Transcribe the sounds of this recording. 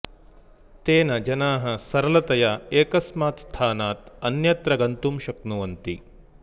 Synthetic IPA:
t̪eːnɐd͡ʒɐnaːɦɐsɐɾɐlɐt̪ɐjaeːkɐsmaːt̪st̪ʰaːnaːt̪ɐnjɐt̪ɾɐɡɐnt̪umʃɐknuʋɐnt̪ḭ

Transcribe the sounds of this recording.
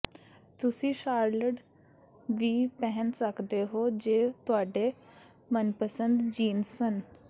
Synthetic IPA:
t̪ʊsĩːʃaːɾləɖ | ʋiːpɛɦənsəkd̪eːɦoːd͡ʒeːt̪ʊaːɖeː | mənpəsənd̪d͡ʒiːnsən

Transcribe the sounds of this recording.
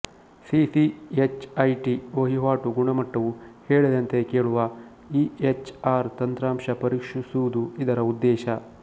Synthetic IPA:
sisiet͡ʃɐjʈioːɦiɦaːʈuɡuɳɐmɐʈːɐʋuheːɭid̪ɐnt̪e̞keːɭuʋɐ | iet͡ʃaːɾt̪ɐnt̪ɾaːmʃɐpɐɾikʂisuʋud̪uid̪ɐɾɐud̪ːɛːʃɐ

